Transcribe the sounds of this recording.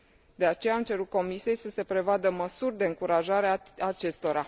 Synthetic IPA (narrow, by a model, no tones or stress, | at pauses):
d̪e̞at͡ʃe̞jaːmt͡ʃe̞ɾut̪̚ko̞misije̞jsəse̞pɾe̞vad̪əməsurʲd̪e̞ɨŋkuɾaʒaɾeaat͡ʃe̞st̪o̞ɾa